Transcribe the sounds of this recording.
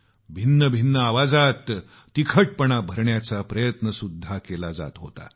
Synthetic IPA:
bʱinːəbʱinːəaʋad͡zat̪ː | ikʰəʈ̚pəɳabʱəɾɳjat͡sapɾəjət̪nəsud̪ʱːakelad͡za̰t̪ɦot̪a̰

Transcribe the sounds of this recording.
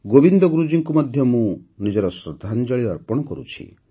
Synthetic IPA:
ɡobind̪ɔɡɾud͡ʒiŋkumɔd̪ʱjɔmũnid͡ʒɔɾɔsɾɔd̪ʱand͡ʒɔɭiɾaɾpɔɽ̃ɔkɔɾṵt͡ʃʰḭ

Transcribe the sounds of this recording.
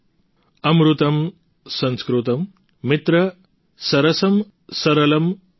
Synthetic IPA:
ɐmɾut̪ɐm | sɐ̃nskɾut̪ɐmː | it̪ɾɐ | sɐɾɐsɐm | sɐɾɐlɐm

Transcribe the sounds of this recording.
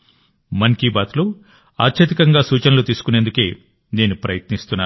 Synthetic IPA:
mɐnkiːbaːt̪ulu | aːt̪ːʃʰɐt̪ikɐŋɡaːsuːt͡ʃɐnɐlut̪iːsu̥kunend̪uke̞ː | ne̞ːnupɾɐjɐt̪nist̪unːaːu

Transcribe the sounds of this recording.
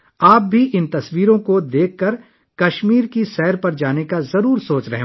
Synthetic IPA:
aːp̚bʱiʔɪnt̪ɐswiːɾõkod̪eːkʰːɐɾ | kɐʃmiːɾkisɛːɾpɐɾd͡ʒaːnekazɐɾuːɾsoːt͡ʃɾɐɦe

